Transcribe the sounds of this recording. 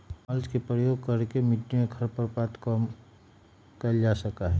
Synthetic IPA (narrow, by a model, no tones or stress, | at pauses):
məlt͡ʃkepɾəjoːɡ̚kəɾkemɪʈːimẽɡʰʱɐɾpəɾpat̪kəm | kəld͡ʒasəkaɦɛ